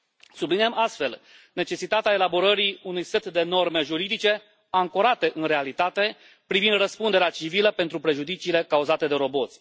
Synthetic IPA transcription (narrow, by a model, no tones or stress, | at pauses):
subliniamʔast̪fe̞l | ne̞t͡ʃe̞sit̪at̪eae̞labo̞ɾəɾiunujse̞t̪d̪e̞no̞rme̞ʒuɾid̪it͡ʃe̞ | aŋko̞ɾat̪e̞ʔɨnre̞alit̪at̪e̞ | pɾivind̪rəspund̪eɾeat͡ʃiviləpe̞nt̪ɾupɾe̞ʒud̪it͡ʃiːle̞kauzat̪e̞d̪e̞ɾo̞bo̞t̪sʲ